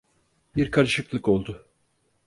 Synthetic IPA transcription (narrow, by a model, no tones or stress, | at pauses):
biɾkʰaɾɯʃɯklˠɯko̞lˠd̪ʊ